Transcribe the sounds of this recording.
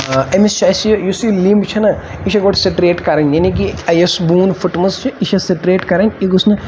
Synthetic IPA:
emist͡ʃʰɐsjusliːmbt͡ʃʰɐnɐ | iʃɐɡoʈʰseʈɾeːʈkɐɾɐnʲjanik̬iɐjesbuːnfʰuʈmɐzt͡ʃʰiiʃʰɐseʈɾeːʈkɐɾɐnʲiɡusnɨ

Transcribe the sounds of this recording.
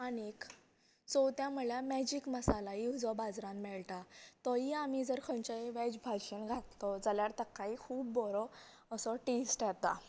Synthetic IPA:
anik | t͡sɔwt̪jãməɭjamɛd͡ʑikməsalajiwd͡zɔbad͡zɾãmmɛɭʈat̪ɔjiamid͡zəɾkʰəɲt͡ɕəʋɛd͡ʑbʱaɕenɡʱat̪t̪ɔd͡zaljaɾt̪əkːaɦikʰuːbːɔɾɔ | əsɔʈesʈjɛt̪a

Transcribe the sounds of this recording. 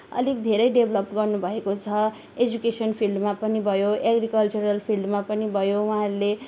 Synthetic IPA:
ʌ̰lik̚d̪ʱeɾʌjɖebʱlʌp̚ʈɡʌrnubʱʌekot͡sʰʌ | ed͡zukesʌnpʰilɖmapʌnibʱʌjoeɡrikʌlt͡suɾʌlpʰilɖmapʌnibʱʌjowʌɦaɾule

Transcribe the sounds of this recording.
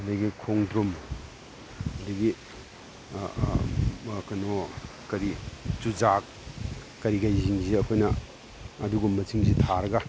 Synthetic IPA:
ɐdɐɡikʰoŋdɾum | ɐdɐɡi | kɐnokɐɾit͡ʃud͡ʒakː | ɐɾiɡajziŋziɐkʰojnɐ | ɐduɡumːɐt͡ʃiŋzitʰaɾɐɡɐ

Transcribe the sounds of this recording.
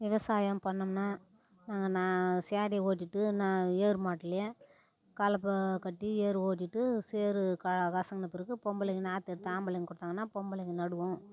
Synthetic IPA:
ʋɪʋɐsaːjɐmpɐɳːɐmnaː | naːŋɡɐnaːsjaːɽioːʈːiʈːɯnaːeːɾɯmaːʈːɪlɐjɐ | kɐlɐpːɐkɐʈːieːɾɯoːʈ̬ːiʈːɯseːɾɯkɐkɐsɐŋɡɐnɐpːɪɾɯkːɯpɔmbɐlɪkːɯnaːt̪ɛɽɯt̪ːɯaːmbɐlɐkːɡkːʊɽɯt̪ːaːŋɡɐnːaːpɔmbɐlɐkːɯnɐɽɯʋʊ̃

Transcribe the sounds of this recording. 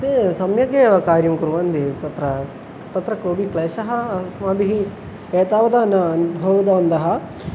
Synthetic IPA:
ɐt̪esɐmjɐɡeːʋɐkaːɾjɐmkuɾuʋɐnd̪it̪ɐt̪ɾɐ | t̪ɐt̪ɾɐkoːbʱikleːʃɐɦɐsmaːbiɦi | eːt̪aːʋɐd̪ɐnɐːnubʱɐʋɐd̪ɐʋɐnd̪ɐɦɐ

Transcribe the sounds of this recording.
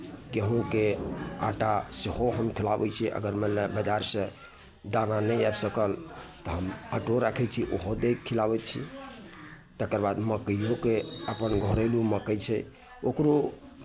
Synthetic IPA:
keɦũkea̰ʈasiɦoɦəmkʰilabɛt͡ʃʰiʔə̰ɡəɾmelebəd͡ʒaɾsə̃ | d̪ananəjabsəkəlt̪ɔɦəməʈoɾakʰɛt͡ʃʰiʔo̰ɦod̪ekkʰːilabɛt̪̚t͡ʃʰḭ | t̪əkəɾbad̪məkəokeəpənɡʱoɾeluməkət͡ʃʰɛ̰ | okɾo

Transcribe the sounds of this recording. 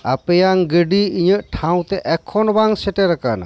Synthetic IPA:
apɛjaŋɡəɖiiɲəʔʈʰaw̃t̪ɛʔɛkʰɔnbaŋsɛʈɛɾakana̰

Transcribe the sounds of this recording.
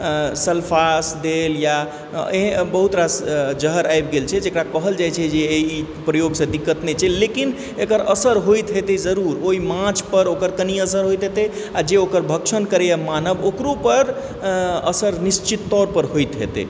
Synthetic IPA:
səlpʰasd̪elja | eɦbəɦut̪ɾad͡ʒəɦəɾajbɡelt͡ʃʰɛd͡ʒekɾakəɦəld͡ʒajt͡ʃʰɛd͡ʒeei | pɾəjoɡsẽd̪ikːət̪net͡ʃʰɛlekin | ekəɾəsəɾɦojt̪ɦet̪ed͡ʒəɾuɾoimãt͡ʃʰpəɾokəɾkəniəsəɾɦojt̪ɦet̪e | ad͡ʒeokəɾbʱəkʃʰənkəɾejamanəbokɾopəɾ | əsəɾnist͡ʃit̪ːɔɾpəɾɦojt̪ɦḛt̪ḛ

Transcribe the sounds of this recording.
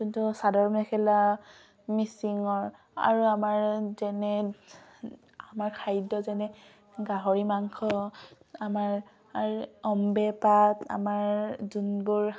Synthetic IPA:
kintusadɔɹmɛkʰɛla | misiŋɔɹ | a̰ɹuamaɹzɛnɛ | amaɹkʰajdɔzɛnɛ | ɡaɦɔɹimaŋkʰɔ | amaɹ | aɹɔmbɛpata̰maɹzunbuɹ

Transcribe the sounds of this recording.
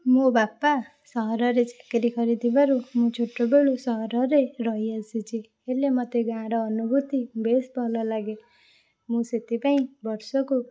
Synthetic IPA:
mobapːa | sʌɦʌɾʌɾet͡sakeɾikʰʌɾid̪ʱibaɾumut͡sʰoʈːobeɽosʌɦʌɾʌɾerʌɦiʌsit͡sʰi | elemʌt̪eɡãɽʌːnubʱut̪ibesbʌlʌlaɡe | muset̪ipaĩbʌɾsʌko

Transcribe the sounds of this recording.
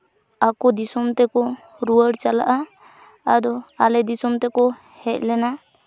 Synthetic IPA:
akɔd̪isɔmt̪ɛkɔ | ɾuəɽt͡ʃala̰ʔaː | d̪ɔalɛd̪isɔmt̪ɛkɔ | hɛc̚ˀlɛna

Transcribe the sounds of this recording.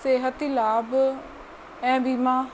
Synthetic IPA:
seːɦət̪ilaːb | ɛ̃ːbiːmãː

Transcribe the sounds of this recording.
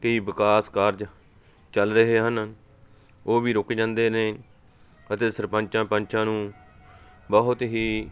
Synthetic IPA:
kəiːbɪkaːskaːɾd͡ʒ | t͡ʃəlɾəɦeːɦən | oːbiːɾʊkːd͡ʒãːnd̪eːneː | ət̪eːsəɾpə̃ɲt͡ʃãːpənt͡ʃãːnũː | bəɦʊt̪ɦiː

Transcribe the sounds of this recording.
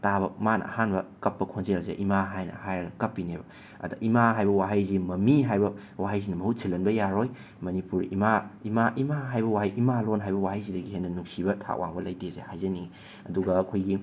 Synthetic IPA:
tabɐmanɐ̰ɐ̰hanbɐkɐpːɐkʰonzelzḛʔimaɦajnɐ̰hajɾɐɡɐkɐpːinebɐ | ɐ̰dɐʔimaɦajbɐwaɦɐjzimɐmiɦajbɐ | waɦɐjz̬inɐmɐhusilːɐnbɐjaɾoj | mɐnipuɾḭmaimaʔimaɦajbɐwajʔimalonɦajbɐwaɦajzidɐɡihenːɐnuksibɐtʰa̰ʔwʔa̰ŋbɐlɐjtezḛhajzɐni | ɐduɡɐːkʰojɡi

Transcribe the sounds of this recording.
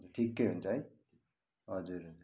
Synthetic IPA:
uʈʰikːejɦunt͡sʰʌɦʌj | ɦʌd͡zuɾɦʌd͡zuɾ

